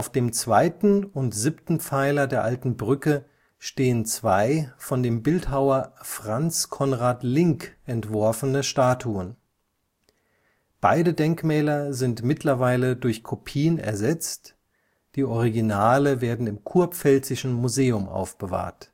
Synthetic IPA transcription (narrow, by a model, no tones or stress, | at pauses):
ʔaʊfd̥eːmt͡sv̥aɪtn̩ʊntz̥ɪptn̩aɪlɐdeːɐʔaltn̩bʁʏkə | ʃteːənt͡sv̥aɪfɔndeːmbɪlthaʊɐfʁ̥ant͡skʰɔnʁaːtlɪŋkʔɛntv̥ɔɐfənəʃtaːtʰuən | b̥a̰ɪdədɛŋkmɛːlɐzɪntmɪtʰlɐvaɪlədʊɐçkʰopʰiːənɛ̰ɐzɛt͡st | d̥iːʔɔʁ̞iɡinaːləveːɐdn̩ɪmkʰuɐpfɛlt͡sɪʃn̩muzeːʊmʔa̰ʊfb̥əva̰ːɐt